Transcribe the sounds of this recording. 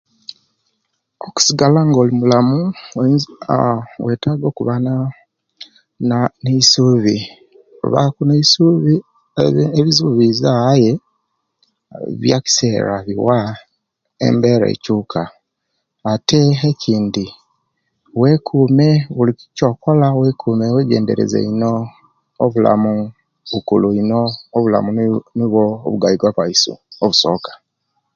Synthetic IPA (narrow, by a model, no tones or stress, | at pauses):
oku̥siɡalaŋɡo̞ːlimulamu | weːtaːɡo̞ːkuβana | neisuβi | ṵβa̰kuneisuβi | eβizuβizaje̞ | βjaki̥se̞ːɾa̰βiwa | ḛmbe̞ɾḛcukʰa | ate̞ecʰiːndi | we̞kʰume̞wulikico̞ːko̞lawekʰumeweːɟeːnde̞̰ɾe̞̰zḛino̞ː | βula̰mu | βukuluinoːβula̰muniβo̰ːβuɡaiɡwaβaisṵoβuso̞̰ːkḁ